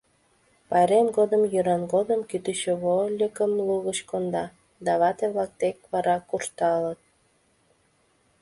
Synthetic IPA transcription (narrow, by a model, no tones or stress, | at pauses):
pɑɾemɡod̪əmjyɾɑnɡod̪əmkyt̪yt͡ɕoβolʲəkəmluɣəɕkond̪ɑ | d̪ɑβɑt̪eβlɑk̚t̪ek̚βɑɾɑkurʃt̪ɑlət̪̚